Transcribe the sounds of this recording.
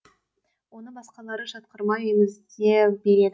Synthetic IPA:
wo̞nəɴbɑsqɑlˠɑɾəʒɑt̪qəɾmɑjʏjmɪzd̪ebeɾe̞d̪ɪ

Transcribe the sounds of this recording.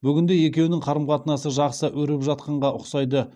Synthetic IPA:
bʏɡʲɪnd̪e̞je̞kʲe̞wnɪŋqʰɑɾəmqɑt̪ənɑsəʒɑqsəʔɵɾɪpʒɑt̪̚qɑɴʁɑʔʊqsɑjd̪ə

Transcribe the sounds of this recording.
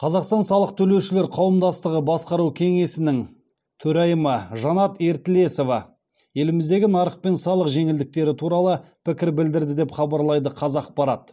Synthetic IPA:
qʰɑzɑqst̪ɑnsɑlˠəqt̪ʰɵle̞wʃɪle̞ɾqʰɑwəmd̪ɑst̪əʁəbɑsqɑɾuwkʲʰe̞ŋe̞sɪnɪŋ | t̪ʰɵɾɑjəməʒɑnɑt̪e̞ɾt̪ɪle̞so̞vɑ | je̞lɪmɪzd̪e̞ɡʲɪnɑɾəq̚pe̞nsɑlˠəqʒe̞ŋɪld̪ɪk̚t̪e̞ɾɪt̪ʰuɾɑlˠəpʰɪkʲɪɾbɪld̪ɪɾd̪ɪd̪e̞pχɑbɑɾlˠɑjd̪əqʰɑzɑq̚pɑɾɑt̪̚

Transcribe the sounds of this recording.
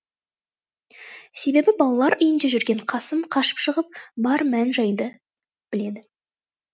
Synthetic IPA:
se̞be̞bɪbɑlˠɑlˠɑɾʔʏjɪnd̪e̞ʒʏɾɡʲe̞ɴqʰɑsəmqʰɑʃə̥pʃəʁəp̚bɑɾmænʒɑjd̪ə | b̥ɪle̞d̪ɪ

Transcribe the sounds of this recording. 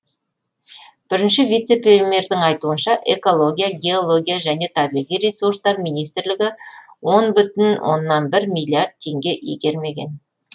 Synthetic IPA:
b̥ɪɾɪnʃɪvijt̪se̞pʲelme̞ɾd̪ɪŋɑjt̪uənʃɑʔe̞ko̞lˠo̞ɡʲijaɡʲe̞o̞lˠo̞ɡʲijaʒæne̞t̪ʰɑbiʁijɾesurst̪ɑɾmijnijst̪ɪɾlɪɡʲɪ | wo̞nbʏt̪ɪnwʔo̞̰nːɑnbɪɾmʲijlʲiard̪̚t̪ʰːe̞ŋɡʲe̞ʔḭɡʲe̞ɾme̞ɡʲe̞̰n

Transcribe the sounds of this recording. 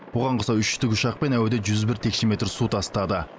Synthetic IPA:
bʊʁɑɴqʰəsɑʏʃʏ̥t̪ɪkʲʊʃɑq̚pe̞næwd̪eʒʏzbɪɾt̪ʰe̞kʃeme̞t̪ɾsut̪ʰɑst̪ɑd̪ə

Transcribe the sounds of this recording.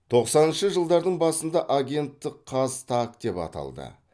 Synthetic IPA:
t̪ʰo̞qsɑnənʃəʒəlˠd̪ɑɾd̪əɴbɑsənd̪ɑʔaɡʲe̞nt̪ːɪkʰːɑzt̪ʰak̚d̪e̞pɑ̰t̪ɑ̰lˠd̪ə̰

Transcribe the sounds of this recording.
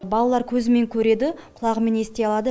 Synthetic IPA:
bɑlˠɑlˠɑɾkʲʰɵzɪme̞ŋkʲʰɵɾe̞d̪ɪqʰʊlˠɑqme̞ne̞st̪eɑlˠɑd̪ə

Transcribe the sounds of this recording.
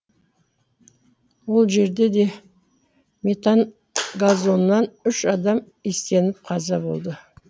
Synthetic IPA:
wo̞lˠʒe̞ɾd̪e̞d̪e̞ | mʲe̞t̪an | ɡazo̞nnːɑnʏʃɑd̪ɑm | est̪e̞nɪp̚qʰɑzɑbo̞̰lˠd̪ə

